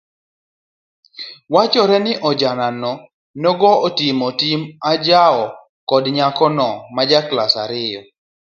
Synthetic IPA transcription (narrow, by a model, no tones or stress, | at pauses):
wat͡ʃɔɾɛnɪʔɔd͡ʒananɔ | nɔɡɔotimotimad͡ʒaɔ | kɔdɲakɔnɔmad͡ʒaklasa̰ɾɪjɔ̰